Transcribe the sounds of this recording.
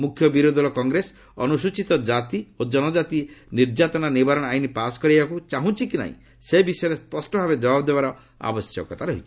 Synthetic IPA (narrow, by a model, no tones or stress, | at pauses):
mukʰjɔbiɾod̪ʱɔlɔkɔŋɡɾes | ɔnusut͡ʃit̪ɔd͡ʒat̪iod͡ʒɔnɔd͡ʒat̪iniɾd͡ʒat̪ɔnanibaɾɔ̃ajnipasɔ̥kɔɾibakut͡ʃaɦũt͡ʃʰikina̰ɦḭ̃ | sebisɔeɾespɔsʈɔbʱabed͡ʒɔbabɔd̪ebaɾɔ | a̰bɔsjɔkɔt̪ʰaɾɔɦit͡ʃʰi̥